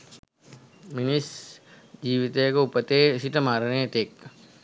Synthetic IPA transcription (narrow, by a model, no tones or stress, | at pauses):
minis | d͡ʒiːʋit̪ekoupət̪esiʈəmaːɾnet̪eːk